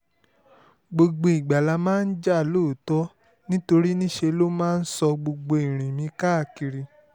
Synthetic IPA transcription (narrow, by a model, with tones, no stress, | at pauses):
ɡ͡bo˧ɡ͡bo˧i˨ɡ͡ba˨la˧mãː˦n̩˦d͡ʒa˦˨loː˦˨tɔ˦ | nĩ˦to˧ɾi˦nĩ˦ʃe˧lo˦mãː˦n̩˦sɔ˧ɡ͡bo˧ɡ͡bo˧i˨ɾ̃ĩ˨mĩ˨˧˦ka˦˨ki˧ɾi˧